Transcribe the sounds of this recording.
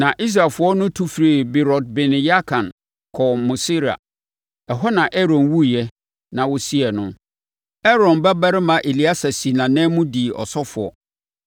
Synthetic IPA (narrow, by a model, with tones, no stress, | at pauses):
nã˨ʔi˦s̬ɾa˨fʊ˨˦ɔ˦nʊ̃˦tʰu˦fɾe˨bɪ˨ɾɔ˨d̚bɪ˨nɪ̃˨ja˦kʰã˨n | kʰɔ˨mʊ̃˨si˦ɾa̰˨ | ɛ˨ɦɔ˦nã˨ʔɛ˦ɾɔ̃˨nwu˦˨jɛ˦ | nã˨wɔ˦si˦ɛ˨nʊ̃˦ | ɛ˦ɾɔ̃˨nbɛ˦ba˦ɾɪ˦mã˨ʔe˨li˨˦a˦sa˨si˨nã˨nɛ̃˦mũ˦di˨ʔɔ̰˨sɔ˦fʊ˨ɔ̰˨